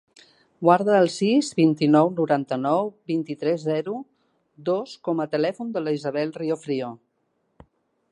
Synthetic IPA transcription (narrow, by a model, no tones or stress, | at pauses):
ɡwaɾðəːlˠsizβint̪inɔwnuɾant̪ənɔwbint̪it̪ɾɛzːɛɾu | d̪oskɔmət̪əlɛfund̪əlizəβɛlˠriofɾio